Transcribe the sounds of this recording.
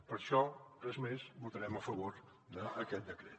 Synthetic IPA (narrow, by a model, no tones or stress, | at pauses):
pəɾʃɔrrɛzmezbut̪əɾɛməfəβoɾ | d̪əːkɛt̪̚d̪əkɾɛt̪